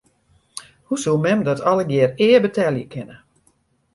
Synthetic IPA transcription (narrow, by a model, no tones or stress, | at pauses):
husulˠmɛmdɔtʰɔləɡjɪərɪːbətʰɛljəkʰɪnə